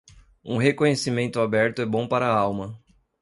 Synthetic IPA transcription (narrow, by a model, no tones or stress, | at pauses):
ṵ̃ɦekõɲesimẽnt̪ʊabɛɾt̪ʊɛbõpaɾɐawmɐ